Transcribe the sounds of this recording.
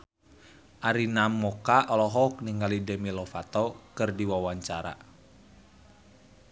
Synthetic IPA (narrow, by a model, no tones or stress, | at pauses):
ʔaɾinamɔkaʔɔlɔɦɔk̚niŋɡalidɛmilɔfat̪ɔkɨrdiwawaɲt͡ʃaɾa̰